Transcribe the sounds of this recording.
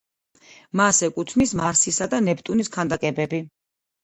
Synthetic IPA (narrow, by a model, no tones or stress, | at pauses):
masɛkʼut̪ʰnismaɾsisad̪anɛp̚ʰt̪ʼuniskʰand̪akʼɛbɛbi